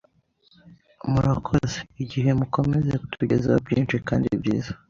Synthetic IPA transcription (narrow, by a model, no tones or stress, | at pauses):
muɾakʰozeiɟiɦe̞muko̞mezeku̥tʰuɟezewa̰bɟiːnt͡ʃika̰ːndḭbɟiːzḁ